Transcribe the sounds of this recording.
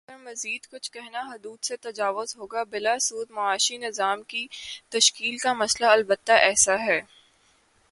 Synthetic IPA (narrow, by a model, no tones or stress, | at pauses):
ɐmɐziːd̪kʊt͡ʃʰkɛɦnaɦʊd̪uːd̪set̪ɐd͡ʒaːʋʊzɦoːɡabɪlasuːd̪mɐaːʃinɪzaːmkit̪ɐʃkiːlkamɐslaɐlbət̪ːaʔɛːsaɦɛː